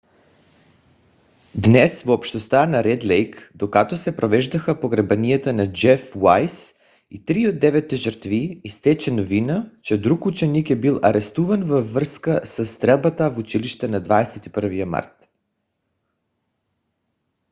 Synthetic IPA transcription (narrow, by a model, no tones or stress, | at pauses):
d̪nɛsvoːpʃt̪ost̪anaɾɛd̪lɛjkd̪okat̪osɛpɾovɛʒd̪ɐxəpoɡɾɛbɐniat̪ənad͡ʒɛfwajs | it̪ɾiod̪ːɛvɛt̪ːɛʒəɾt̪viːst̪ɛt͡ʃɛnovinət͡ʃɛd̪ɾukut͡ʃɛnikɛbilˠʔɐɾɛst̪uvɐnvəːərskəsəst̪ɾɛlˠbat̪əvut͡ʃiliʃt̪ɛnad̪vaɛsɛt̪ipəɾvijəma̰ɾt̪